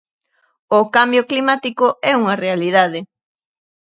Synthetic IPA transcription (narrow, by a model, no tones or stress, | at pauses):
ʊkambjʊklimat̪ikʊɛuŋɐrealiðað̞ɪ